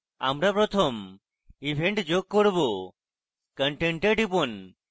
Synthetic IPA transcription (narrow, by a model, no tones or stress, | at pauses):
a̰mɾapɾɔt̪ʰɔm | ibʱeɳʈd͡ʒoɡ̚kɔɽbo | kəɳʈeɳʈeɖipɔn